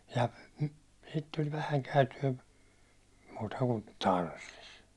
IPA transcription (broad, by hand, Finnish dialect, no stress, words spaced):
jɑ sit tulʲ ʋæhæŋ kæytyæ muːtɑ kun tɑːrɑstis